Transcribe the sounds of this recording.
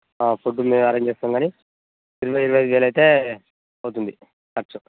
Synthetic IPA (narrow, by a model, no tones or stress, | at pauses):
aːpuɖumeːmɐɾeːɲd͡ʒt͡ʃeːst̪aːmɡaːni | iɾɐʋɐjiɾɐʋɐjɐd̪ʋeːlɐjt̪eː | ɐwut̪und̪i | kɐʈsu